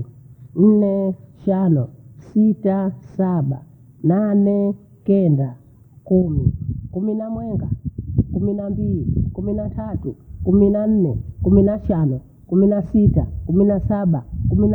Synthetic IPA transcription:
n̩nɛʃanɔsitasaɓa̰ | nanɛ | kɛnda | kumikuminamwɛŋɡakuminambilikuminatʰatukuminan̩nɛkuminaʃanɔ | kuminasitakuminasaɓa̰kumina

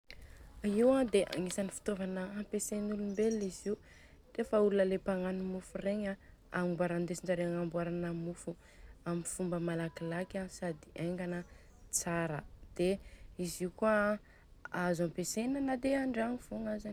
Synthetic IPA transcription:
iwãd̪eʔa̰ŋisanifi̥t̪ovanəampesenulumbeliziu | refəulunəlepaŋanimufureɲa | amimbuaɾand̪esinɳɖ͡ʐaɾeaŋambuaɾanəmufu | amifumbəmalakilakʲasad̪iʔaŋɡanə | t͡saɾə̰d̪̥eiziukua | azampesenənad̪eaɳɖ͡ʐaŋiv̥uŋazan

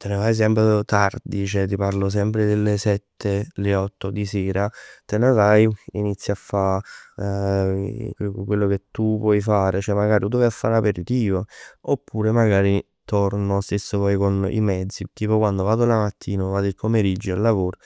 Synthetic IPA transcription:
t̪enevajs̬ɛmpɾet̪ard̪it͡ʃɛt̪iparlos̬ɛmpɾed̪elːesɛt̪ʰːeleɔt̪ːod̪iseːɾat̪enevajinit̪sːjafːa | kwelːoket̪ːupwɔjfaːɾet͡ʃɛmːaɡaːɾiud̪ɔvjafːa̰ɾapeɾt̪iːvaopːuːɾemaɡaːɾi | t̪ɔrnosesːopɔjkonḭmɛd̪zːit̪iːpokwand̪ovaːd̪olamat̪ʰːiːnovaːd̪ipomeɾid͡ʒːoalːavoːɾo

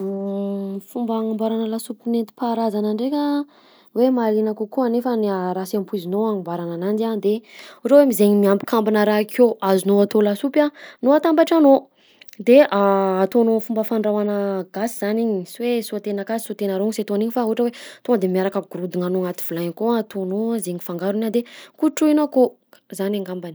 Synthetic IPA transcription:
fumbəŋambaɾanəlasupinent̪i̥paɾazanaɳɖ͡ʐekʲə | wemaɾinakukuanefənaɾasampuizinoaŋambaɾananand̪and̪euʈ͡ʂəwemizeɲimiambi̥kʰambinəɾaɦkʰoazinoat̪olasupanoat̪ambaʈ͡ʂano | d̪eaːt̪onofumbəfaɳɖ͡ʐawanəɡasiz̥aniɲisiwesuat̪enakasi̥sut̪enaɾoŋset̪oaniɲifauɦʈ͡ʂəwet̪oəd̪emiaɾakəɡuɾud̪iŋanoŋat̪i̥v̥ulajkoaat̪onozeɲifaŋɡaɾunad̪ekuʈ͡ʂuinako | zanaŋɡambani

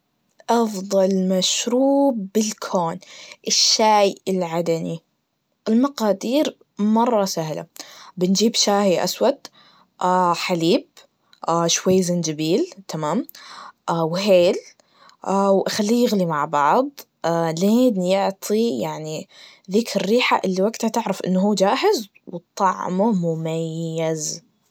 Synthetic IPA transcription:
ʔɑfðˤɑlmaʃɾuːbːɪlkʰoːnʔɪʃːaːjɪlʕad̪ani | ʔɪlmɑqɑːd̪iːɾ | mɑrˤːɑsahla̰bɪnd͡ʒiːbʃaːhiʔa̰swat̪ | ʔaːħaliːb̚ | ʔaʃwajːzɪnd͡ʒabiːlt̪ʰamaːmʔawɦeːl | ʔawʔaxalːiːjɪɣlimaʕbɑʕðˤ | ʔaleːnjʊʕt̪ˤʰijaʕni | ðɪːkɾːiːħaʔɪlːiwaɡt̪hat̪ɪʕɾɪfʔɪ̰nːɦuːd͡ʒaːɦɪz | wt̪ˤːɑʕmʊmʊmajjːaz

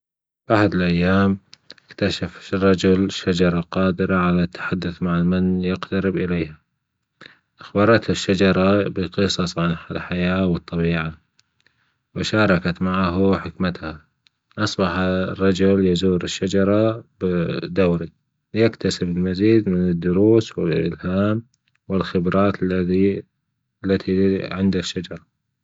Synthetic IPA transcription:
baħad̪ɪlʔajːaːmɪkt̪aʃafrˤːɑd͡ʒʊlʃːad͡ʒɑɾˤɑqɑːd̪ɪɾaʕalat̪ːḁħad̪ːʊθmaʕalmanjɪqt̪aɾɪbʔɪleːha | ʔaxbɑɾˤɑt̪haʃːad͡ʒɑɾˤɑbɪqɨsˤɑsˤʕanħalħajaːwɨt̪ˤːɑbiːʕa | wɪʃɑːɾˤɑkat̪maʕaɦʊħɪkmat̪ha | ʔɑsˤbɑħarˤːɑd͡ʒʊljazuːɾɪʃːad͡ʒɑɾˤɑbd̪awɾi | jakt̪asɪbɪlmaziːd̪mɪnɪd̪ːʊɾuːswɪlʔɪ̰lhaːm | wɪlxɪbɾɑːt̪l | lːat̪ʰiʕɪnd̪aʃːad͡ʒɑɾˤɑ

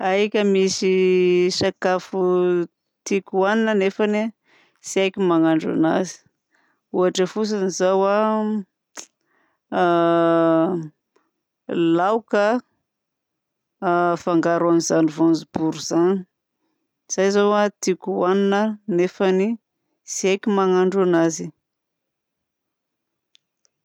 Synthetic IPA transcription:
ajkʲəmisiʃakafu | t̪ikʲuaninənefani | siajkʲimaŋaɳɖ͡ʐa̰nazi̥ | uɦaʈ͡ʂəfus̬anizawa | lawka | faŋɡaɾanizanivonzub̥uɾuz̥ani | z̥ajzawat̪ikʲuaninənefani | siajkʲimaŋaɳɖ͡ʐanazi

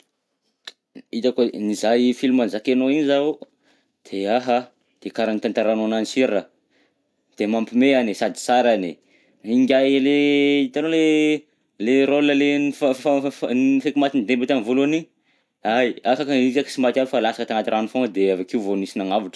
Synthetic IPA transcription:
it̪akonizajfilumanzakenoiɲiza | d̪̥eaɦa | d̪̥ekaɾanit̪ant̪aɾanonanisiɾə | d̪̥emampimeanisad̪i̥saɾani | iŋɡʲaleit̪anole | leɾolnəlenifanifekimat̪ind̪embit̪anivoloni | ajafakəizaki̥simat̪abifalasḁkət̪aŋat̪irʔanifoŋəd̪eavakiuvonisinaŋaviʈ͡ʂə̥

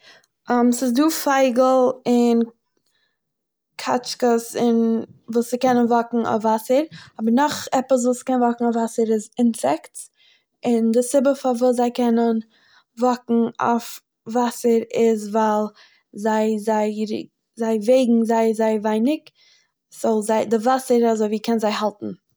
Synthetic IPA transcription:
amsɪzduːfaɪɡl̩ˠɪn | kʰa̰t͡ʃkəsɪnvuːsɪkɛnənvɔkŋ̩a̰fvasəɾɔbəɾnɔχɛpəs̬vuːskɛnnvɔkŋ̩ɔfvasəɾɪzɪnsɛkts | ɪndɪsɪbəfavuːs̬zaɪkɛnən | vɔkŋ̩ɔ̰f | vasəɾɪzvaɪlˠ | zaɪzaɪɾ̰ | zaɪveɪɡŋ̩zaɪzaɪvaɪnɪk | z̥ɔlˠzaɪdɪvasəɾazoɪviːkʰɛnzaɪhalˠtn̩

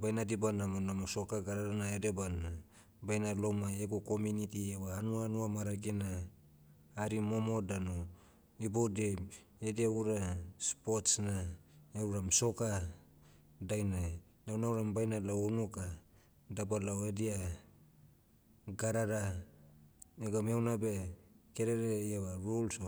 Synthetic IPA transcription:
bajnadibanamanamoso̞kaɡaɾaɾanaedebana | bajnalomaeɡokomunitiewaːnuanuamaɾaɡenaː | ɾimo̞mo̞dano | ibode | ediauɾaspotsnaeɾuɾamsoka | dajna | dawnawɾambajnalaonuka | dabalawedia | ɡaɾaɾa | eɡamewnabe̞keɾeɾeawaɾulso

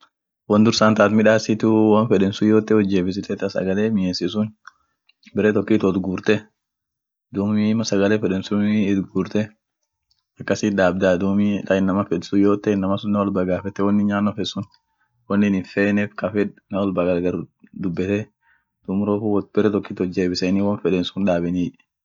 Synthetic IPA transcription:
wɐnd̪ʊɾsaːnt̪aːt̪mɪᶑaːsɪt̪ʊwɐnfɛᶑɛnsʊjoːt̪ːɛwɔd͡ʒːeːbɪs̬ɪt̪ɛt̪ɐsɐ̰ɡɐleːmɪjensɪsʊn | bɛɾɛt̪ɔkːiːt̪ɔt̪ɡuːɾt̪ɛ | d̪uːmimɐsɐɡɐlɛːfɛᶑɛnsʊt̪ɡuːɾt̪ɛ | ɐkːɐsiːᶑ̪aːbd̪ad̪umikɐɪnːɐmɐfɛdsʊjoːt̪ːɛɪnːɐmɐsʊnːɐwɔlbaɡaːfɛt̪ːɛwɐnːɪɲaːnːɔfɛsʊn | wɔnːɪnɪnfeːnɛfkɐfɛᶑnɐwɔlbaɡɐlɡɐɾd̪ʊbːɛt̪ɛ | d̪̥ʊmɾoːfuwb̥ɛɾɛt̪ɔkːiːt̪ɔd͡ʒːeːbɪsɛniːwɐnfɛᶑɛnsʊnᶑaːbɛniːᶑ

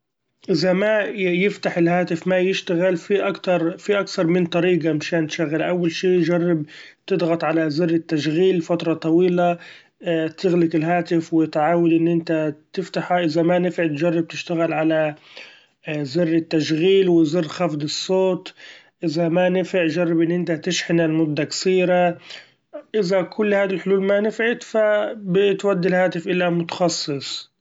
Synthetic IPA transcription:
ʔɪzamajɪft̪aħɪlhaːt̪ɪfmajɪʃt̪aɣɪlfiʔakt̪ɑɾˤfiʔakθɑɾˤmɪnt̪ˤɑɾiːɡamɪʃaːnt̪ʃaɣɪlʔawːalʃiːtd͡ʒɑrˤːɪb̚t̪ɪd̪ɣɑt̪ˤʕalazɪrːɪt̪ːaʃɣiːlfat̪ɾˤɑt̪ˤɑwiːla | t̪ɪɣlɪkɪlɦaːt̪ɪfwɪt̪ʕaːwad̪ʔɪnːʔɪnt̪at̪ɪft̪aħaʔɪzamanɪfʕɪt̪ʒɑrˤːɑb̚t̪ɪʃt̪aɣɪlʕala | zɪrːɪt̪ːaʃɣiːlwɪzɪrːxafd̪ɨsˤːoːt̪ | ʔɪzamanɪfɪʕʒɑrˤːɑbʔɪnːʔɪnt̪at̪ɪʃħɪnalmʊd̪ːakḁsiːɾa | ʔɪzakʰʊlːhaːd̪ilħʊluːlmanɪfʕɪt̪fabɪt̪wad̪ːilhaːt̪ɪfʔɪlːamʊt̪ɑ̥xɑsˤːɨsˤ

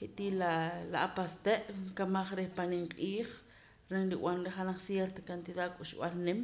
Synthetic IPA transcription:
heʔt̪ilalaʔapast̪eʔŋkamaχɾehpaniŋqʼiːχ | ɾenɾiw̰anɾeχanaχsjeɾt̪akant̪iðaːkʼuʃɓalnem

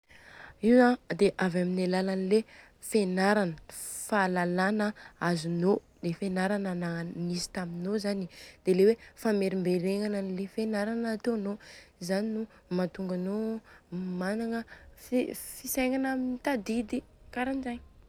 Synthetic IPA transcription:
iwad̪eʔavaminalalanile | fenaɾanə̥falalanəazuno | d̪̥efenaɾananamisi̥t̪aminozanid̪̥elewefameɾimbeɾeŋananilefenaɾanat̪onozaninu | mat̪uŋɡano | manaŋəffisajŋanaminit̪ad̪id̪i | kaɾanizaɲ

